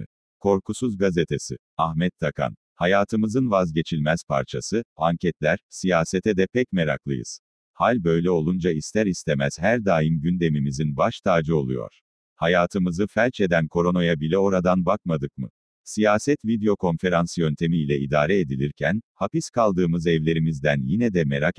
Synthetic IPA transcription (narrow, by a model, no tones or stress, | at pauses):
kʰo̞ɾkusuzɡazet̪ʰe̞sḭ | ahmɛt̪ʰːakʰa̰n | hajaːt̪ʰɯmɯzɯnvazɟe̞t͡ʃʰilʲmɛz̥pʰa̰ɾt͡ʃʰasɯaɲcʰɛt̪lʲæɾsijaːse̞t̪ʰɛd̪ɛpʰɛcmeɾa̰klˠɯ̰jɯ̰z̥ | halʲbø̞jlʲɛo̞lˠund͡ʒaist̪ʰæɾist̪ʰe̞mæz̥ɦæɾd̪aːjimɟynd̪e̞mimizinbaʃt̪ʰaːd͡ʒɯo̞lˠṵjo̰ɾ̥ | hajaːt̪ʰɯmɯzɯfɛlʲt͡ʃe̞d̪ænkʰo̞ɾo̞no̞jabilʲɛo̞ɾad̪anbak̚mad̪ɯkmɯ̰ | sijaːsɛt̪vid̪ejo̞kʰo̞nfe̞ɾansɯjønt̪ʰe̞miːlʲɛḭd̪aːɾɛed̪ilʲiɾcʰænhapiskʰalˠd̪ɯːmɯzɛvlʲe̞ɾimizd̪ænjinɛd̪ɛmeɾak